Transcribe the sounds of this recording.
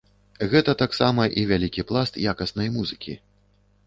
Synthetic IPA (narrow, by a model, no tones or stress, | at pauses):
ɣɛt̪ɐt̪aksamɐʔivʲalʲikʲiplˠast̪jakɐsnɐjmuzɨkʲḭ